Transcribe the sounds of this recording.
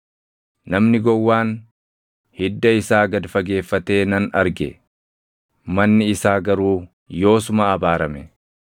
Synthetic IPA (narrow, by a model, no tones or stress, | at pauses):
nɐmnɪɡɔwːaːn | hɪd̪ːɐɪsaːɡɐd̪fɐɡe̞ːfːɐt̪e̞ːnɐnɐɾɡɛ̰ | mɐnːɪːsaːɡɐɾuː | jo̞ːs̬ʊmɐːbaːɾɐmɛ